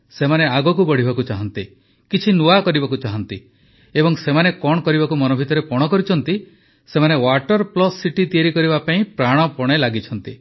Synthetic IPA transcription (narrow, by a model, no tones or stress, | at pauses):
semaneaɡɔkubɔɽ̤ibakut͡ʃaɦɔnt̪i | kit͡ʃʰinuakɔɾibakut͡ʃaɦɔnt̪i | ebɔŋsemanekɔɽ̃ɔkɔɾibakumɔnɔbʱit̪ɔɾepɔɽ̃ɔkɔɾit͡ʃʰɔnt̪i | semanewaʈɔɾplɔsːiʈit̪ieɾikɔɾiβapaĩpɾaɽ̃ɔpɔɽ̃elaɡit͡ʃʰɔnt̪i